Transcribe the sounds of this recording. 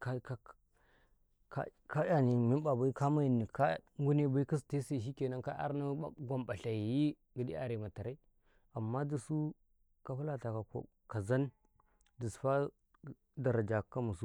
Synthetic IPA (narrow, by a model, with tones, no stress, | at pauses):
ka˦ka˦ | ka̰˦ | ka˦ja˦ni˨mi˦nba˨ba˦i˦ka˦ma˦ji˨nːi˨ka˦ŋ˦ɡu˦ne˦ba˦i˦ki˦s̬te˦sa˦˨ʃi˦ke˨na˦ka˦ʔa̰˦ɾna˦a̰˦˨ɡʷa˨mba˨ɬa˨ji˨ji˦ | ɡə˨dḭ˦a̰˨ɾe˨ma˨ta˨ɾa˦ | a˨mːa˦di˨su˦ | ka˦pu˦la˦ta˨ka˨ko̰˨ | ka˨za˦n | di˨sfa˦ | da˨ɾa˨d͡ʒa˨kːa˦mu˨su˦